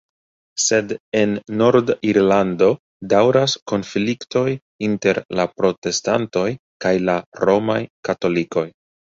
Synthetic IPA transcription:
se̞de̞nːo̞ɾdiɾlando̞ | dawɾasko̞nflikto̞j | inte̞ɾlapɾo̞te̞sta̰nto̞j | kajlaɾo̞majkato̞liko̞j

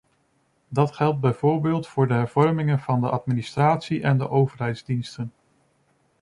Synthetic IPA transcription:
dɑtχɛlˠd̚bɛjvoːɹbɪːlˠtfʊːɹdəɦɛɹv̥ɔɹmɪŋənv̥ɑndəʔɑtministraːtsiʔɛndə̰ʔowvəɹɦɛjdzdinstən

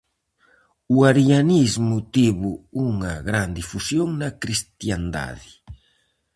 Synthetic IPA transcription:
uaɾjanizmut̪iβuuŋɐɣɾand̪ifusjoŋnɐkɾist̪jand̪a̰ði

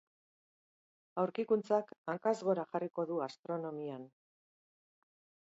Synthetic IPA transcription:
awɾkikunt͡sakaŋkazɣo̞ɾaʝariko̞ðuast̪ɾo̞no̞mian

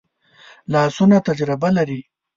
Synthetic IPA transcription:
lɑːsunat̪ad͡ʒɾɪbalaɾi

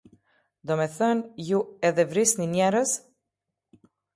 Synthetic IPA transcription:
d̪ɔmɛθənjuɛðɛvɾisninjɛɾəz

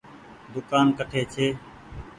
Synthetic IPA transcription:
d̪ʊkaːnkəʈʰeːt͡ʃʰeː

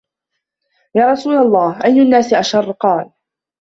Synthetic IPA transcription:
jaːɾˤɑsuːlalˤːɑːhʔajnʊnːaːsʔaʃɑrˤːqɑːl

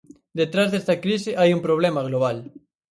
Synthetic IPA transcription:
d̪et̪ɾazðest̪ɐkɾiseʔajumpɾoβ̞lemɐɣ̞loβ̞al

